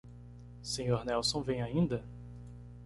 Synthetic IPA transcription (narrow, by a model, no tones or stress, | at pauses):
sẽɲoɾnɛwsõw̃vẽj̃aĩnd̪ɐ